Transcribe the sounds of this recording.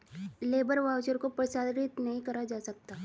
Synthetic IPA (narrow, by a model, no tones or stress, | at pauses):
leːbəɾʋaːʋd͡ʒəɾkopɾɐsaːd̪ɾɪt̪nɐɦĩkɐɾad͡ʒaːsɐk̚t̪a